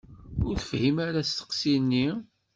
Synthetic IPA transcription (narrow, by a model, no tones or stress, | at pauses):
ʊɾθəfhimaɾæst̪ə̥qsinːi